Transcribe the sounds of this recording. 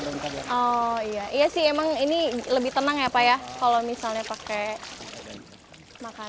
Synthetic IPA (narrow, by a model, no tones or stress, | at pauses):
ɔijaʔijasɪɦemaŋiniləbiht̪ənaŋjapajakalomisalɲapake | maka